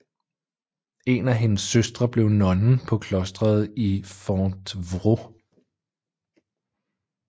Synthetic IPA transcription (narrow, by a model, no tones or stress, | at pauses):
e̝næɦe̝nəsːøsd̥ʁɐb̥le̝ʊnɒ̽nn̩pʰɒ̽kʰlɒ̽sd̥ʁɐð̞̩ˠifɒnd̥ʋʁo